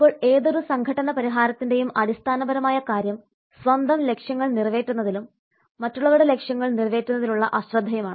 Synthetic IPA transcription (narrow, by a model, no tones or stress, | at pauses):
ipːo̞ːɭeːðo̞ɾusɐŋɡʱɐʈːɐnɐpɐɾiɦaːɾɐt̪ːinde̞jumɐɽist̪ʰaːnɐbɐɾɐmaːjɐkaːɾjɐm | sʋɐnd̪ʱɐmle̞kʂjɐŋːɐɭnirʋe̞ːtːun̪ːɐðilumː | ɐtːuɭːɐʋuɽele̞kʂjɐŋːɐɭnirʋe̞ːtːunːɐðiluɭːɐ̰ʔɐɕrɐd̪ʱːɐjɐmaːɳɨ